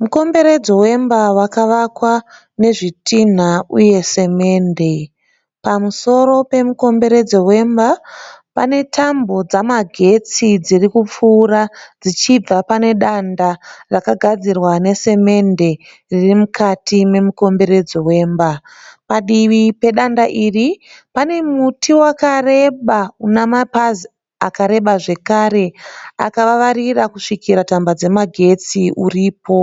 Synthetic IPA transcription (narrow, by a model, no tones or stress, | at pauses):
muko̞mbe̞ɾe̞d͡zowe̞mbawakaʋakwa | ne̞ʐitin̤auje̞se̞me̞ːnde̞ | pamuso̞ɾo̞pe̞muko̞mbe̞ɾe̞d͡zowe̞mbapa̰ne̞tʰambo̞d͡zamaɡʱe̞t͡sid͡zirikup͡fuːɾad͡zit͡ʃib͡vapane̞ɗandarakaɡʱad͡zirwane̞se̞me̞nde̞ | ririmukʰatime̞muko̞mbe̞ɾe̞d͡zowe̞ːmba | paɗiʋipe̞ɗandaʔiripane̞mutiwakare̞ɓaunamapazi | a̰kaɾe̞ɓaʐe̞kaɾe̞a̰kaʋaʋarirakuʂikiɾatambad͡ze̞maɡʱe̞t͡siuriːpo̞